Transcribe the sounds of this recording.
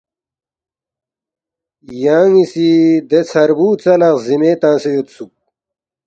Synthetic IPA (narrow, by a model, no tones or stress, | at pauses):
jaːŋisid̪et͡sʰɐɾbuːt͡sɐlãqzimeːt̪ãːsejot̪suk̚